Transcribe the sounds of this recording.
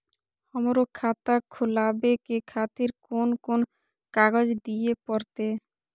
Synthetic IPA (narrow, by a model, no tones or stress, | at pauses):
hɔmoɾokʰat̪akʰolabekekʰat̪iɾkonkon | kaɡod͡ʑd̪ijepɔɾt̪e